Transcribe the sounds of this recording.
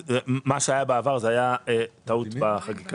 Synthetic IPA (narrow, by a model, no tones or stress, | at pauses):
zemaʃeajabeavaʁzeajaet̪aut̪baχaɡika